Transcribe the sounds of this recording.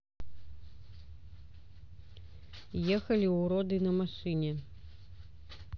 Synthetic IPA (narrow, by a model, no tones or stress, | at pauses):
jɛxɐlʲiuɾɔd̪ɨnɐmaʂɨnʲɛ